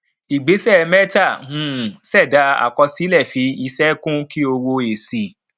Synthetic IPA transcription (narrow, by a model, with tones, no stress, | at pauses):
i˨ɡ͡be˨˦sɛ˦˨mɛ˦ta˦˨nũ˨˦˨sɛ˦˨da˨˦a̰˨kɔ˧si˨˦lɛ˦˨fi˨˦i˧sɛ˦kũ˦ki˦o˧wo˧e˨si˨